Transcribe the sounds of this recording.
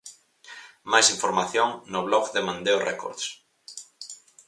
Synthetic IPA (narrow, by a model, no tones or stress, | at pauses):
majsiɱfoɾmaθjoŋnʊβlɔɣðemãnd̪eoreko̰ɾðs